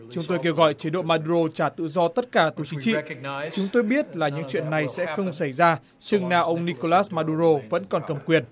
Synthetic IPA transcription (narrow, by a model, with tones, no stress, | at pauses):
t͡ɕʊ˨˦ŋ͡mt̪o˧jk̬e˧wɣɔ̰˧˨jt͡ɕi˨˦ɗo̰˧˨maː˧ɗu˧ɾo˧t͡ɕaː˧˩t̪ɨ̰˧˨zɔ˧t̪ə˦˥t̚kaː˧˩t̪u˨˩t͡ɕi˨˦t͡ɕḭ˧t͡ɕʊ˨˦ŋ͡mt̪o˧jɓi˦˥ət̚laː˨˩ɲɨ̰˧˥ŋt͡ɕwḭ˧˨ənːa˨˩jsɛ̰˧˥xə˧wŋ͡msa˧˩jzaː˧ | t͡ɕɨ˧˩ŋnaː˨˩wʔə˧wŋ͡mni˧ko˧laː˦˥smaː˧ɗu˧zo˧və̰˧˥nkɔ˨˩nkə˨˩mkwi˨˩ən